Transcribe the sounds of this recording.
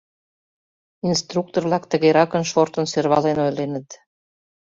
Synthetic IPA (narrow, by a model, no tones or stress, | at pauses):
inst̪ruk̚t̪orβlɑkt̪ə̆ɣeɾɑkənʃort̪ənsørβɑlenojlenət̪